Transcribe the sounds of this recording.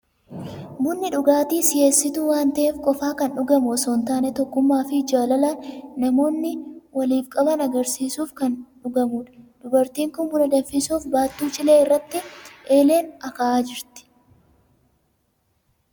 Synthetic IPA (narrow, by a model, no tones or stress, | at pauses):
bʊnːɪᶑʊɡaːt̪iːsɪjeːsːɪt̪uːwaːnt̪ɐʔeːfkʼɔfaːkɐnᶑʊɡɐmɔsɔnt̪aːnɛt̪ɔkːʊmːaːfɪd͡ʒaːlɐlɐnnɐmo̞ːnːɪwɐliːfkʼɐbɐnɐɡɐɾsiːsuːfkɐnᶑʊɡɐmuːᶑɐ̥d̪̥ʊbɐɾt̪iːŋkʊnbʊlɐd̪ɐfːɪsuːfbaːt̪ːuːt͡ʃʼɪleːɪrːɐt̪ːɪʔe̞ːle̞ːnɐkɐʔaːd͡ʒɪɾt̪ɪ̥